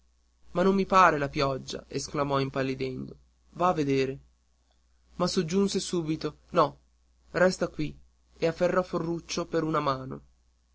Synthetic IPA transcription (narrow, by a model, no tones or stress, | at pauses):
manːomːipaːɾelapjɔd͡ʒːa̰esklamɔimpalːid̪ɛnd̪o | vaːvːed̪eːɾe | masːod͡ʒːunsesuːbit̪onɔ | rɛst̪akwi | eafːerːɔforːut͡ʃːopeɾunamaːno̰